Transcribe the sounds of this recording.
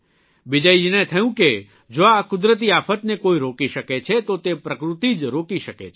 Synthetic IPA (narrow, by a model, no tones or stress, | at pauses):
ʋɪd͡ʒəid͡ʒɪnɛ̃t̪ʰəjũke | d͡ʒoakʊd̪ɾət̪̬iaːpʰət̪nekoːiɾoːkiʃəket͡ʃʰet̪ot̪epɾəkɾʊt̪id͡ʒɾoːkiʃəkḛt͡ʃʰ